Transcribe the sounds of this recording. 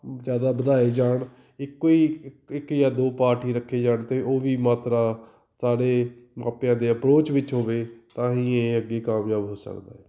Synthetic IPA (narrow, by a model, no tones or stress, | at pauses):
zjaːd̪aːbəd̪aːeːd͡ʒaːɳ | ɪkːoːiːɪkjaːd̪oːpaːɾʈiːɾəkʰːeːd͡ʒaːɳt̪eːʔoːʋiːmaːt̪ɾaː | saːɽeːmaːpjãːd̪eːəpɾoːt͡ʃʋɪt͡ʃɦoːʋeːt̪ãːɦĩːeːəɡːeːkaːmjaːbɦoːsə̰kd̪a̰ːɛː